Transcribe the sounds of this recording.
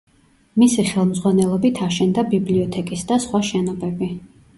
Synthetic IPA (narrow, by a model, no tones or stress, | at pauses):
misiχɛlˠmzʁwanɛlˠɔbit̪ʰaʃɛnd̪abibliɔt̪ʰɛkʼisd̪asχwaʃɛnɔbɛbi